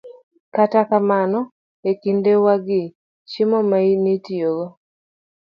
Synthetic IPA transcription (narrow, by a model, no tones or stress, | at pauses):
katakamanɔ | ekindewaɡɪ | t͡ʃimɔmainitijolo